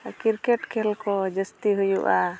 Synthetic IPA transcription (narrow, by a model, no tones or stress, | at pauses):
kiɾkɛʈkʰɛlkɔd͡ʒəst̪iɦujuʔa